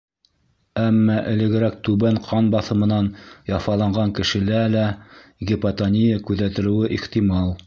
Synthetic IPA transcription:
æmːɑʔɘ̆lɘ̆ɡɘ̆ɾæk̚t̪ʉβæɴqʰɑnbɑθɤ̆mɤ̆nɑnjɑfɑlˠɑɴɢɑŋkɘ̆ʃɘ̆lælæɡʲipɐt̪onʲijakʉðæt̪ɘ̆ɾɘ̆wɘʔiχt̪imɑlˠ

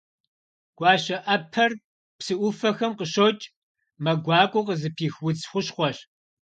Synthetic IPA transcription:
ɡ̥ʷɑːɕɐʔɐpʰɐr | psɨʔʷʊfɐxɐmqəɕot͡ʃʼ | mɐɡʷɑːkʷʼʊqəzɨpʰiːxwʊt͡sʰxʷʊɕχʷɔɕ

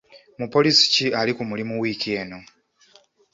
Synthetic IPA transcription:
mupo̞lisi̥cialikumulimuwiːkieno̞

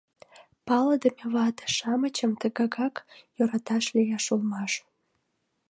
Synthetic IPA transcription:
pɑləd̪əmeβɑt̪ə̥ʃɑmət͡ɕəmt̪əɣɑɣɑkjoɾɑt̪ɑʃlejɑʃulmɑʃ

